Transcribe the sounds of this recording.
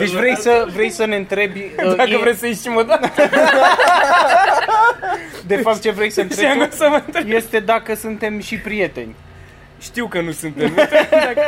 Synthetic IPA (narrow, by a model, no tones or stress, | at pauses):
d̪e̞t͡ʃʲvɾejsəvɾe̞jsəne̞ɨnt̪ɾe̞bʲd̪akəvɾejsəjiʃimod̪a | d̪e̞fap̚t̪̚t͡ʃe̞vɾejsəɨnɾeɡasəməɨnt̪ɾeje̞st̪e̞d̪akəsunt̪e̞mʃipɾije̞t̪e̞nʲ | ʃt̪iwkənusunt̪em